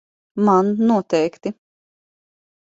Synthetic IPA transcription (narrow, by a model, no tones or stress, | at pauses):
mannuɔt̪ɛjkt̪i